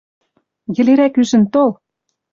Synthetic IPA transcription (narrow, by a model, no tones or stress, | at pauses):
jɘ̆leɾækyʒɘ̆nt̪ol